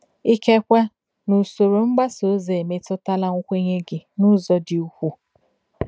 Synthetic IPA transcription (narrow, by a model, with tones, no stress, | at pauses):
i˦ke˦kʷa˦ | nu˨so˨ɾo˨ŋ͡m̩˦ɡ͡ba˦so˨˦ze˨e˨me˦tɔ˦ta˦la˦ŋʷʊ˦kʷe˦ɲe˦ɡɪ˨nʊ˦zɔ˨dɪ˨u˦kʷu˦